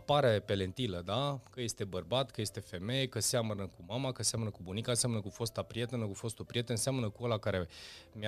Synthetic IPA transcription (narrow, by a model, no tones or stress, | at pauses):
paɾepe̞le̞nt̪iləd̪akəje̞st̪e̞bərbat̪kəje̞st̪e̞fe̞me̞jekəseamənəkumamakənseamnəkubunikanseamnəkufo̞st̪apɾije̞t̪enəkufo̞st̪upɾije̞t̪nseamnəkuolakaɾe̞m